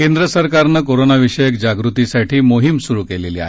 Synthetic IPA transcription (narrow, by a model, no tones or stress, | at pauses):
kend̪ɾəsəɾkaɾnəkoɾonaʋiʂəjəkd͡ʑaɡɾut̪isaʈʰiːmoɦimsuɾukeleliːa̰ɦe